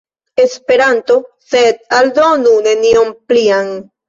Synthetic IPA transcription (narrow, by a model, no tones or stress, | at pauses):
espe̞ɾant̪o | sed̪̚ald̪onune̞niompliaŋ